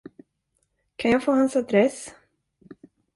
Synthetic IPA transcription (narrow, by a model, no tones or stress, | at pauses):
kʰanjɑːɡfoːhansad̪ɾɛs